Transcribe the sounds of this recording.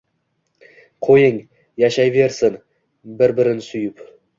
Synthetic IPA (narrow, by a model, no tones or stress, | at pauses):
qʰojɪŋ | jaʃajve̞ɾsɪn | bɪɾbɪɾɪnsʊjɪp